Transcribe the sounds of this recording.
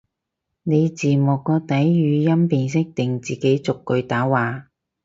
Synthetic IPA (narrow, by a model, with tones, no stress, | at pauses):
ne˨˧jt͡siː˨˩mʊ˨˩kːɔː˧t̪ɐ˨˥jjyː˨˧jɐ˥mpiː˧ns̬ɪ˥k̚t̪ɪ˨ŋt͡siː˨ke˨˥jt͡sʊ˨kːɵ˧ɥt̪aː˨˥waː˨˧